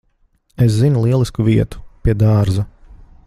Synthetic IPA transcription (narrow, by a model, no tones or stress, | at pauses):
es̬zinulˠiɛlˠiskuviɛt̪u̥piɛd̪aːɾzɐ